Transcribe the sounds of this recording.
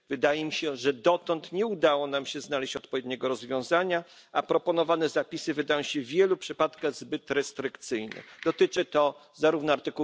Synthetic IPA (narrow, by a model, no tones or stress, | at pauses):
vɘd̪ajɛmʲiɕɛʐɛd̪ɔt̪ɔnt̪ɲɛud̪awɔnamɕɛznalɛɕt͡ɕɔt̪̚pɔvʲjɛd̪ɲɛɡɔɾɔzvʲjɔ̃w̃zaɲa | apɾɔpɔnɔvanɛzapʲisɘvɘd̪ajɔ̃w̃ɕɛvʲjɛlupʂɘpat̪kaɣzbɘt̪ɾɛst̪ɾɘkt̪sɘjnɛ̰d̪̥ɔt̪ɘt͡ʂɘt̪ɔ | zaɾuvnɔaɾt̪ɘku